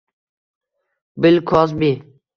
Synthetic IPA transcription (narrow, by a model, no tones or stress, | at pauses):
bɪlkʰɔs̬biː